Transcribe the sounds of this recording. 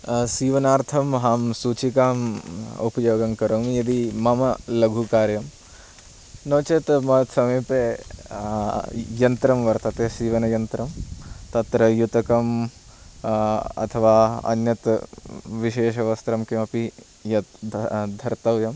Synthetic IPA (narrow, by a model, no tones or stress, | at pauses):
siːʋɐnaːɾt̪ʰɐmɦaːmsuːt͡ʃikaːmupɐjoːɡɐŋkɐɾoːmjɐd̪imɐmɐlɐɡʱukaːɾjɐm | nɐːt͡ʃet̪mɐt̪sɐmɐjpe | jɐnt̪ɾɐmʋɐɾt̪ɐt̪eːsiːʋɐnɐjɐnt̪ɾɐmt̪ɐt̪ɾɐjut̪ɐkɐm | ɐ̰t̪ʰɐʋaːɐ̰njɐt̪ | ʋiʃeːʃɐʋɐst̪ɾɐmkemɐpi | jɐt̪d̪ʱɐɾt̪ɐʋjɐm